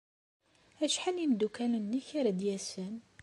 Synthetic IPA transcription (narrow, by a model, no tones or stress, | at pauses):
æʃħanind̪ukænənːiçaɾæd̪jæsən